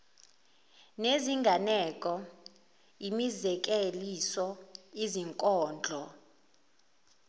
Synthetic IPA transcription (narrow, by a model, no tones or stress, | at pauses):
neziŋɡʱanɛkʼɔ | imizɛk̬ʼelisɔiziŋkʼɔːnd͡ɮʱɔ